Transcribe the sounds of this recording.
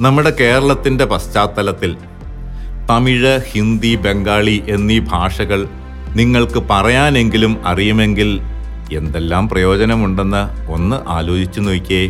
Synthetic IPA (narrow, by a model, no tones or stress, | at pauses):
nɐmːuɽe̞ke̞ːɾɐɭɐt̪ːinde̞pɐst͡ɕaːt̪ːɐlɐt̪ːil | t̪ɐmiɻɐhind̪ibe̞ŋɡaːɭiʔe̞nːibʱaːʂɐɣɐɭ | niŋːɐɭkɨpɐrɐjaːne̞ŋɡilumɐrijume̞ŋɡil | e̞nd̪e̞lːaːmprɐjo̞ːt͡ɕɐnɐmuɳɖe̞nːɐo̞nːɨʔa̰ːlo̞ːd͡ʑit͡ɕːuniːkʲːe